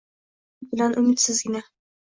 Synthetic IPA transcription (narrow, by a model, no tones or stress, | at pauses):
bɪlanʔʊmɪt̪sɪzɡʲɪna